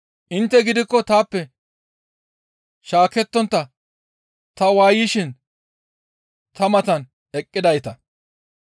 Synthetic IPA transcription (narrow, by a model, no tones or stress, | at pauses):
ʔɪnt̪ːɛɡɪd̪ɪkːɔt̪aːpːɛ | ʃaːkɛt̪ːɔnt̪ːɐ | t̪ɐwaːjɪʃɪn | t̪ɐmɐt̪ɐn | ɛkʼːɪd̪ɐjt̪ɐ